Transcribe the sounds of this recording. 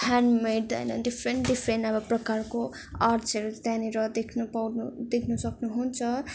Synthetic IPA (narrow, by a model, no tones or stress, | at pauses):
hʰanmeɖʌ̰jnʌɖipʰrenʈɖipʰɾenʌbʌprʌkarko | arsʰeɾt̪janeɾʌd̪ekʰnupawnud̪ekʰnusʌknuɦunt͡sʰʌ